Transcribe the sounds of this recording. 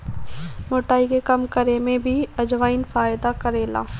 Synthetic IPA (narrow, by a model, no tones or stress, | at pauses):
moːʈaːikekɐmkəɾemẽbʱiɐd͡ʒʋaːɪnfaːjɪd̪akɐɾeːla̰ː